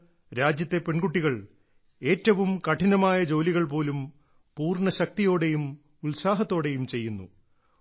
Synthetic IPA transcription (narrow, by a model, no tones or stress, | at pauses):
ɾaːd͡ʑjɐt̪ːe̞pe̞ɳɡuʈːiɣɐɭ | e̞ːtːɐʋumkɐʈʰinɐmaːjɐd͡ʑo̞ːliɣɐɭp̬o̞ːlum | puːrɳɐɕɐk̚t̪ijo̞ːɽe̞jum | ulsaːɦɐt̪ːo̞ːɽe̞jumt͡ɕe̞jːunːṵ